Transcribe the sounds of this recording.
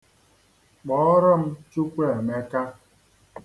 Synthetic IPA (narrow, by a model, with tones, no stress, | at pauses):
k͡pɔ˦ɾɔ˦m̩˦t͡ʃu˦kʷe˦˨e˨me˦ka˦